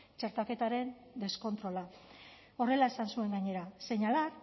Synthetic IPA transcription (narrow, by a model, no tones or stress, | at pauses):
t͡ʃe̞ɾt̪ake̞t̪aɾe̞n | d̪e̞sko̞nt̪ɾo̞la | o̞re̞lae̞sansue̞ŋɡaɲe̞ɾase̞ɲalar